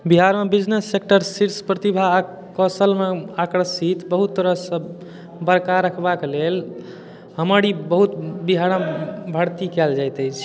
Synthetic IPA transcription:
biɦaɾmebid͡ʒnesːek̚ʈəɾsiɾspɾət̪ibʱa | kəsəlmeakɾəsit̪bəɦut̪ːəɾəɦsə̃ | bəɾkaɾəkʰbakelel | ɦəməɽibəɦut̪biɦaɽãbʱəɽt̪ikɛld͡ʒajt̪əjt͡ʃʰ

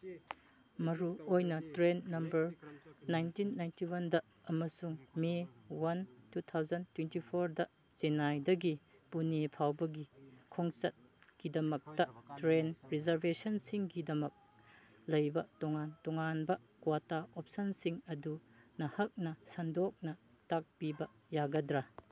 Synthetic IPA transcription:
mɐɾuojnɐtɾenːɐmbɐɾnajntinːajntiwɐndɐ | ɐmɐsuŋmewɐntut̪ʰawzɐntwentipʰoɾdɐ | senajdɐɡi | punipʰawbɐɡikʰoŋt͡ʃɐt̚kidɐmɐk̚tɐtɾenɾizɐɾbesɐnsiŋɡidɐmɐk̚ | lɐjbɐtɔŋantɔŋanbɐ | kwataop̚sɐnsiŋɐdunɐhɐk̚nɐsɐndok̚nɐ | tak̚pibɐ | jaɡɐdɾɐ

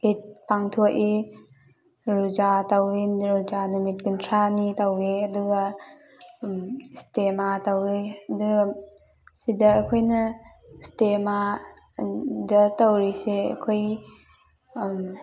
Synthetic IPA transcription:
it̚paŋtʰuʔe | ɾuzatawinɾuzanumit̚ɡuntʰɾanitaweɐduɡa | stematawiduɡa | sidɐːkʰojnɐ | stema | dɐtawɾiseɐ̰kʰoj

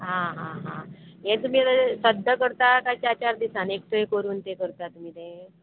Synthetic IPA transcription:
ɦãɦãɦãɦẽt̪um̤iːt̪asəd̪ʱəkəɾt̪akat͡ɕat͡ɕaɾd̪isanek̚ʈ̪ʰəekəɾuːnt̪ekəɾt̪at̪um̤iːt̪ẽ

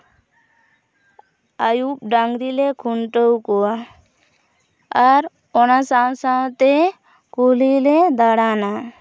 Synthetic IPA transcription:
əjup̚ɖaŋɡd̪ilekʰuɳʈəwko | əɾ | onasawsat̪e | kuliled̪əɽaːna

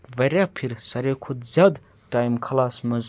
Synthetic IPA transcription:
ʋɐɾʲapʰiɾsɐɾekʰod̪zʲad̪ | ʈaːjmkʰɐlaːsmɐz

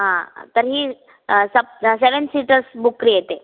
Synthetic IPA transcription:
ɦãt̪əɾɦiː | səp̚seʋənsiʈəɾsbukːɾijet̪e

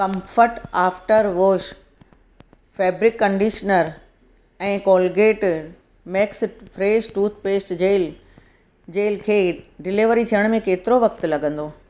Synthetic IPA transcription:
kɐ̃mfəɾʈaːfʈəɾʋoːʃ | fɛːbɾɪkːɐ̃ɳɖiːʃnəɾ | ɛ̃ːkɔːlɡeːʈ | mɛːksfʰɾeːsʈuːt̪ʰpeːsʈd͡ʑeːl | d͡ʑeːlkʰeːɖɪlɪʋəɾit̪ʰijəɽ̃mẽkeːt̪ɪɾoʋɐk̚t̪̆lɐɡə̃nd̪oː

